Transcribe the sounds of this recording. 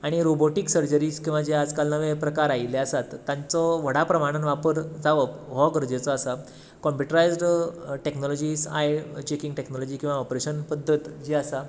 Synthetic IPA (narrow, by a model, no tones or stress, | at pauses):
aɽ̃iɾoboʈiksəɾd͡ʑəɾiːskĩw̃ʋad͡ʑead͡zkalnəʋẽpɾəkaɾajleasat̪ːãnt͡sɔʋəɽ̤apɾəmaɽ̃ənʋapəɾd͡zaʋəpɦɔɡəɾd͡ʑet͡sɔasa | kɔmpjuʈəɾajd͡zɖʈeknɔlɔd͡ʑiːsa̰jt͡ɕekiŋɡʈeknɔlɔd͡ʑiːkĩw̃ʋaɔpɾeɕənpəd̪ʱːət̪d͡ʑiasa